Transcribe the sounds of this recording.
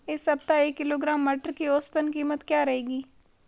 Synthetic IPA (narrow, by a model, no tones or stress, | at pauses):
ɪsɐb̚t̪aeːkːɪloːɡɾaːmːɐʈəɾkioːst̪ənkiːmət̪kjaːɾɐɦeːɡiː